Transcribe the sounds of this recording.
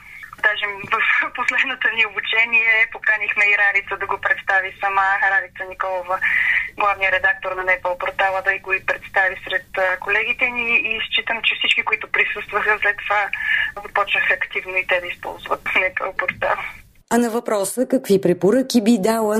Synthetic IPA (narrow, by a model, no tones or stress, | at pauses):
d̪aʒɛvəfposlɛd̪not̪oniobut͡ʃɛniɛpokanixmɛiɾaɾit̪səd̪ɐɡopɾɛt̪st̪avisɐmaɾaɾit̪sənikɔlˠovəɡlˠavnijəɾɛd̪ak̚t̪oɾnɐnɛpəlˠpoɾt̪alˠəd̪ɐiɡoipɾɛt̪st̪avisɾɛt̪əkolɛɡ̟it̪ɛniːst͡ʃit̪əmt͡ʃɛfsit͡ʃkikʊit̪ʊpɾisɤst̪vəxəslɛt̪ːovazɐpɔt͡ʃnəxɐɐkt̪ivnoit̪ɛd̪ɐispɔ̰lˠzvə̰t̪nɛpə̰lˠpoɾt̪a̰lˠ | ɐnɐvɐpɾɔsəkəkvipɾɛpoɾɤk̟ibid̪alˠə